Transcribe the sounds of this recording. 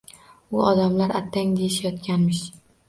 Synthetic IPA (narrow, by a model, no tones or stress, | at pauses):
ʊɒd̪amlaɾat̪ʰːaŋd̪ejɪʃajɒt̪̚kʲʰanmɪʃ